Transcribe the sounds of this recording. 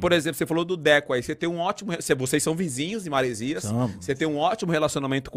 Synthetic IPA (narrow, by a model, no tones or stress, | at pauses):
poɾezẽplʊsefalod̪ʊd̪ɛkʊaiseẽj̃ũɔt͡ʃimʊhesevosesːɐ̃w̃vizĩɲʊzd͡ʒɪmaɾeziɐsset̪ẽj̃ũɔt͡ʃimʊhelasionamẽnt̪ʊ̥k